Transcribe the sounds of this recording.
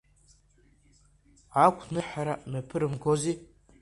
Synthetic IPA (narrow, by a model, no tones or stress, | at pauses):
akʷʰnɨħaɾamepʰɨɾɨmɡʰozi